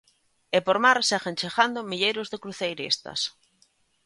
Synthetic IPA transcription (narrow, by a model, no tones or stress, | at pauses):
ɪpoɾmaɾsɛɣent͡ʃeɣand̪omiʎejɾʊzðekɾuθejɾḭst̪ɐ̰s